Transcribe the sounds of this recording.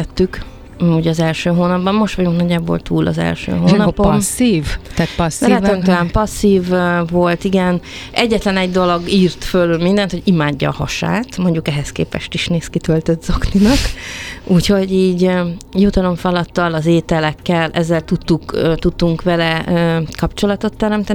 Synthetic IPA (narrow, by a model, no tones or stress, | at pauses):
ɛt̪ːyk | uɟɒzɛlʃøːɦoːnɒbbɒnmo̞ʃt̪ʋɒɟuŋknɒɟːaːbo̞̰lt̪ʰuːlɒ̰zɛ̰lʃø̰ːɦoːnɒponsiːvaːt̪sɛønt̪ɔlaːmpɒsːiːvːo̞lt̪iɡɛnɛɟːɛt̪lɛnɛɟd̪o̞lo̞ɡiːrt̪følylmind̪ɛnt̪hoɟimaːɟːɒːhɒʃa̰ːt̪mo̞ɲɟukɛɦɛskḛːpɛ̰ʃt̪iʃneːskit̪ølt̪øt̪zokninɒkuːcho̞ɟiːɟjut̪ɒlo̞ɱfɒlɒt̪ːɒlɒzeːt̪ɛlɛkːɛlʔɛ̰zːɛlt̪ut̪ːukøt̪ut̪ːuŋkʋɛlɛøːkɒpt͡ʃo̞lɒt̪o̞t̪ːɛɾɛmt̪ɛn